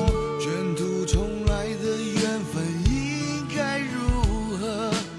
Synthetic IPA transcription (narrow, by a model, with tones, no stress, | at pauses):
t͡ɕəɛ˧˥nt̪u˧t͡sʰʊ˧˥ŋla˧˥ɪd̪ə˧ɥɛ˧˥nfə˨˩ni˧˥ | ŋka˥ɪɻu˧˥ | xə˧˥